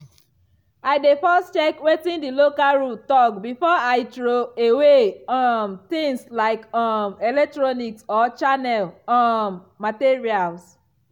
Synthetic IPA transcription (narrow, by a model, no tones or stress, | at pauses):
aɪdefɔstt͡ʃɛkwetĩndilokalɹutɔkbifɔaɪtɹoeweɔmt̪ĩŋslaɪkɔmɛlɛk̚tɹɔniksɔt͡ʃanɛlɔmːatiɹials